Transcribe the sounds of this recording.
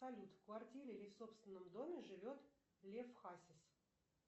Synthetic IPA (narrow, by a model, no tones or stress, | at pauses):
ɐlʲut̪kvɐrtʲiɾʲɪlʲifso̞pst̪vʲɪnːəmd̪o̞mʲɪʐɨvʲo̞t̪ | lʲefxasʲɪs